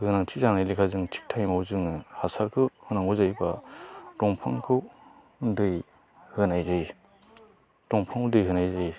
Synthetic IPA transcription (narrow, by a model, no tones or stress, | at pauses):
ɡɯnaŋtʰizanajlikʰazɯŋtʰi̥k̚tʰajmawzɯŋhasaɾkʰɯhɯnaŋuzajbatɔŋpʰaŋkʰɯw | dɯj | hɯnajzaj | tɔŋpʰaŋudɯjɦɯnajzaj